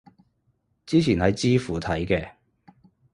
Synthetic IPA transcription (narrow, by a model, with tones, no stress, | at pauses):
t͡siː˥t͡sʰiː˨˩nhɐ˨jt͡siː˥fuː˨˩t̪ʰɐ˨˥jkɛː˧